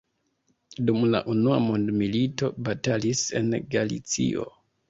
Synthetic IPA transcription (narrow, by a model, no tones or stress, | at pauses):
dumla̰ʔunua̰mondmilito̞batalise̞̰nɡalḭt͡sḭo̞̰